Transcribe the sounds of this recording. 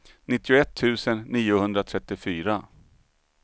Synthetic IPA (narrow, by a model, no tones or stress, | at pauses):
nɪt̪ːɪʊɛt̪ʰːʉ̟ːsənːiːʊhɵnd̪ɾat̪ʰɾɛt̪ːɪfyːɾa